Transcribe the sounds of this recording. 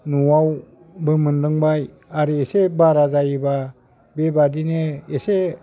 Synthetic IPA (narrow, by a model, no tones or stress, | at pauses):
nuwaw | bɯmɯndɯŋbaj | aɾɯesebaɾazajba | bebadineese